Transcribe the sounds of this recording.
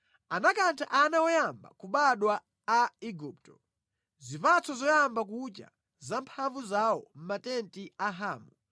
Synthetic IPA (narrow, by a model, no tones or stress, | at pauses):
anakantʰaʔanawɔjamba̰kuɓaɗwaː | iɡup̚tɔ̥ | zipat͡sʰɔzɔjambak̬ut͡ʃa̰ | zampʰaɱvuzawɔm̩matɛntʼiaɦaːmu